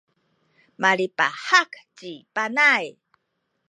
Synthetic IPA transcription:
maɾipa̰hakt͡ɕipanaj

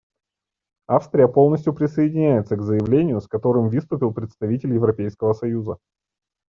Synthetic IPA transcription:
afst̪ɾʲɪjəpo̞lˠnəs̬ʲtʲjʊpɾʲɪsəɪdʲɪnʲæjɪt̪səɡzəjɪvlʲenʲɪjʊskɐt̪o̞ɾɨmvɨst̪ʊpʲɪlˠpɾʲɪt̪st̪ɐvʲitʲɪlʲjɪvɾɐpʲejskəvəsɐjuzə

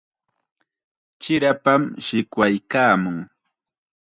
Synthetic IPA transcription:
t͡ʃɪɾapamʃɪkwajkaːmʊŋ

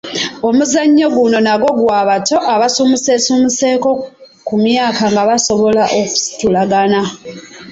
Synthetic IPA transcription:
o̞muzaɲːo̞ɡuno̞naɡo̞ɡwaːβato̞ʔaβasuːmise̞suːmise̞ːko̞ | kumjaːkaŋɡaβaso̞βo̞laʔoku̥si̥tulaɡana

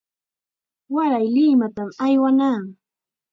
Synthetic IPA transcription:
waɾajlɪmat̪amajwanaːŋ

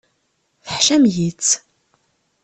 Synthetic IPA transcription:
θəħʃæmjit͡sː

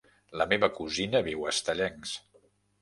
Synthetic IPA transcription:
ləmeβəkuzinəβiwəst̪əʎɛŋs

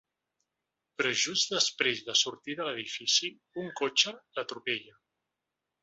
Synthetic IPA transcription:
pɾɔʒuzðəspɾezðəsuɾt̪iðələð̞ifisi | uŋkot͡ʃələt̪ɾupeʎə

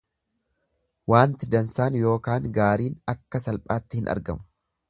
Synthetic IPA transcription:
waːnt̪ɪd̪ɐnsaːnjo̞ːkaːŋɡaːɾiːnɐkːɐsɐlpʼaːt̪ːɪhɪnʔɐ̰ɾɡɐ̰mʊ̥

